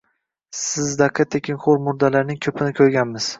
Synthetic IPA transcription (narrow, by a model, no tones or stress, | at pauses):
sɪzd̪aqʰːat̪ʰːekʲʰɪŋχoɾmʊɾd̪alaɾnɪŋkʲʰɵpʰɪnɪkʲʰɵɾɡʲanmɪz̥